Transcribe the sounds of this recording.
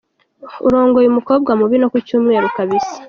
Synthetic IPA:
ṵɾo̞ːŋɡojumuko̞ːb̚ɡwamuβino̞kucuːmŋe̞ːɾukaβisi̥

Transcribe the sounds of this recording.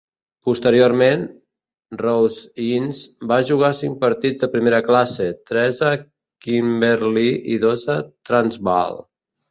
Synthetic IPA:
pust̪əɾioɾmen | rowzinzbaʒuɣ̞asiŋk̚pəɾt̪id͡zd̪əpɾimeɾəklaset̪ɾɛzə | kimbeɾliʔiðozət̪ɾanzβa̰lˠ

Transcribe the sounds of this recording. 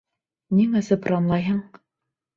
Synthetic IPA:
niŋɘ̆sɘprɑmlˠɑjɦɤɴ

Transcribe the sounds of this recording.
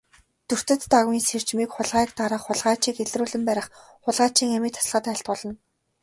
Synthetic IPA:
t̪ɵr̥t̪ɵ̆t̪ːaɣwiːnser̥t͡ɕmiːkχʊɮʁaːkt̪aɾə̆χχʊɮʁaːt͡ɕiːkeɮruːɮɘ̆mpæːɾʲɪ̆χ | χʊɮʁaːt͡ɕiːŋæmiːkt̪ʰḁsɮʁə̆t̪æɪ̆ɬt̪̚pɔɮɞ̆n

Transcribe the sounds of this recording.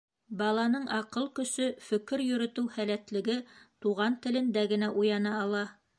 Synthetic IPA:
bɑlˠɑnɤɴʔɑqɤlˠkɵ̆ʃɵfɵ̆kɘɾjɵ̆ɾɵ̆t̪ɘwhælæt̪lɘ̆ɡɘt̪uʁɑnt̪ɘ̆lɘ̆nd̪æɡɘ̆næʔujɑnɑɑlˠɑ

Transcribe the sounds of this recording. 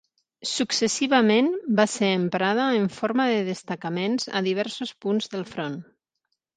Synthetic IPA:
suksəsiβəmenbaseəmpɾað̞əːɱfoɾməðəðəst̪əkəmenzə̰ðiβ̞ɛɾsuspunzðəlˠfɾon

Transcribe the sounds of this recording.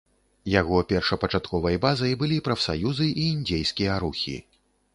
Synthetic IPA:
jaɣɔpʲɛrʂɐpɐt͡ʂat̪kɔvɐjbazɐjbɨlʲipɾɐfsajuzɨʔiːnd͡zʲejskʲijɐɾuxʲḭ

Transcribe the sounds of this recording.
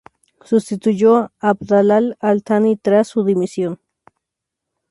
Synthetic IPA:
sʊst̪ɪt̪ʊʎoabd̪alalalt̪ʰanit̪ɾasʊd̪ɪmɪsjoŋ

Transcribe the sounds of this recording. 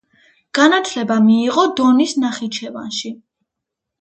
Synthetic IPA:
ɡ̥anat̪ʰlɛbamiːʁɔd̪ɔnisnaχit͡ʃʰɛva̰nʃi

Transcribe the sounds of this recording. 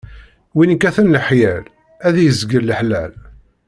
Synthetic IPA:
winəkːæθənləħjæl | æðjəzɡəlːəħlæ̰l

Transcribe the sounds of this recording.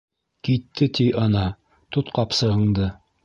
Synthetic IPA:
kit̪ːɘt̪iʔɑnɑ | t̪ut̪qɑpsɤ̆ʁɤ̆ɴd̪ɤ

